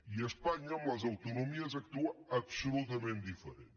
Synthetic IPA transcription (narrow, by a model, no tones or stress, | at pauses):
iɐʃpaɲɐmɐzɐwt̪unumiɐzɐk̚t̪uɐɐpslut̪ɐmẽnt̪̚d̪ifɨɾḛ̃